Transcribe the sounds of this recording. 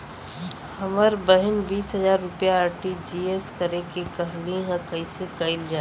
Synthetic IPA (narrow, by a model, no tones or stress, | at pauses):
hɐməɾbəɦɪnbiːsɦɐzaːɾːʊpjaːɾʈid͡ʒiːeskəɾekekɐɦlĩɦɛ̃kɐisekɐɪld͡ʒaː